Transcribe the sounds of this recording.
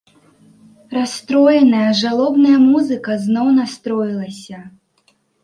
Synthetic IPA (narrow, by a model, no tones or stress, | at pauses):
ɾast̪ɾɔjɛnɐjɐʐalˠɔbnɐjɐmuzɨkɐznɔwnast̪ɾɔjilˠɐsʲɐ